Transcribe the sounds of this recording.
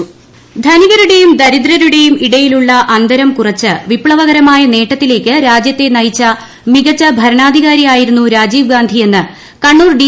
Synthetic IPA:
d̪ʱɐniɣɐɾuɽe̞jumd̪ɐɾid̪ɾɐɾuɽe̞jumiɽɐjiluɭːɐʔɐnd̪ɐɾɐmkurɐt͡ɕːɨʋipɭɐʋɐɣɐɾɐmaːjɐne̞ːʈːɐt̪ːile̞ːkʲːɨɾaːd͡ʑjɐt̪ːe̞nɐjit͡ɕːɐ | miɣɐt͡ɕːɐbʱɐɾɐɳaːd̪ʱiɣaːɾijaːjiɾunːuɾaːd͡ʑiːʋɡaːnd̪ʱije̞nːɨ | kɐɳːuːrɖi

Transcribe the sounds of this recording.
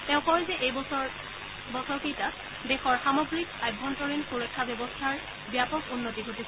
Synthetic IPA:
tɛ̃ʊ̃kɔɹzɛʔejɔ | bɔsɔɹkejta | dexɔɹxamɔɡɹikajbʱːɔntɔɹinxuɹɔkʰːabɔbɔstʰaɹ | bjapɔkunːotiɡʱotisɛ

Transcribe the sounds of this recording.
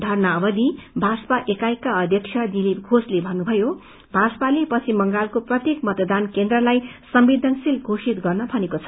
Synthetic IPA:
d̪ʱʌrnʌːbʌd̪ibʱaspaʔekajkːaʌd̪ʱjʌkt͡sʰjʌd̪ilipɡʱoslebʱʌnːubʱʌjo | bʱaspalepʌt͡sʰimʌŋɡalkoprʌt̪jekmʌt̪d̪ankend̪rʌlajsʌmbid̪ʱʌnsilɡʱosit̪ɡʌrnʌbʱʌnekot͡sʰʌ̥

